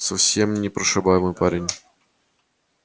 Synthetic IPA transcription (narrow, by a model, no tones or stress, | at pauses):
sɐfsʲe̞mnʲɪpɾəʂɨbajɪmɨjpaɾʲɪnʲ